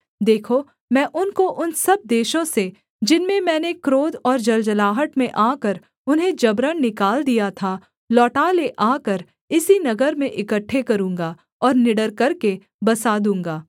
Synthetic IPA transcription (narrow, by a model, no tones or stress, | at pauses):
d̪eːkʰo | mɛ̃ːʔʊnkoʔʊnsɐb̚d̪eːʃõse | d͡ʒɪnmẽmɛ̃ːnekɾoːd̪ɔːɾd͡ʒɐld͡ʒəlaːɦəʈmẽʔaːkəɾ | ʊnɦẽd͡ʒɐbɾənnɪkaːld̪ijat̪ʰa | lɔːʈaleʔaːkəɾ | ɪsinɐɡəɾmẽʔɪkəʈʰːekɐɾũːŋ̆ɡa | ɔːɾnɪɖəɾkɐɾke | bɐsaːd̪ũːŋɡaː